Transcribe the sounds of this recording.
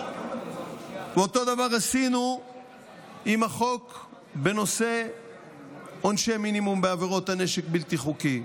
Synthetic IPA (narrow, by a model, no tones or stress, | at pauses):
veot̪o̞d̪avaʁasinu | imaχo̞k | be̞no̞se̞ | onʃeminimumbeaveʁo̞t̪haneʃekbilt̪iχuki